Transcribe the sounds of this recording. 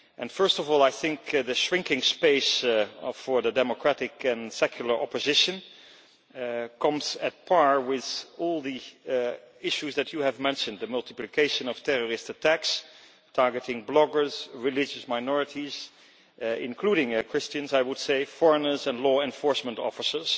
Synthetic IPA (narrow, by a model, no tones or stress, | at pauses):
ʔɛ̃nfɜ˞stɔvɔlˠaɪθɪ̃ŋkðɨʃɹɪ̃ŋkɪ̃ŋspeɪs | ə˞ðədɛmokʰɹ̥æɾɪkɛ̃nsɛkʰjl̩ˠə˞ʔɔpɨzɪʃɨ̃n | kʰʌ̃mzɨt̚pʰɑɹwɪðɔlˠði | ɪʃuzðɨt͡ʃɨɨvmɛ̃nʃɨ̃nd̪ðəmʌlˠtɨ̥plikʰeɪʃɨ̃nɔv̥tʰɛɹɔɹɪstətʰæks | tʰɑɹɡətɪ̃ŋblɔɡə˞z̥ɹɪlɪd͡ʒɨsmaɪnɔɹɨtiz | ɪ̰̃nkʰluɾɪ̃ŋkʰɹ̥ɪst͡ʃɨ̃nzaɪwʊd̥seɪfɔɹənə˞zɛ̃nlɔɛ̃nfɔɹsmə̃ntɔ̰fəsə˞z̥